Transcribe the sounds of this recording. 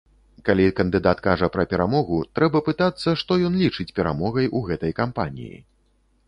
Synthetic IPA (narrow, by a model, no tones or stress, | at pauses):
kalʲikɐnd̪ɨd̪at̪kaʐɐpɾɐpʲɛɾamɔɣut̪ɾɛbɐpɨt̪at̪sːɐʂt̪ɔjɔnlʲit͡ʂɨt͡sʲpʲɛɾamɔɣɐjʔuɣɛt̪ɐjkampanʲḭjḭ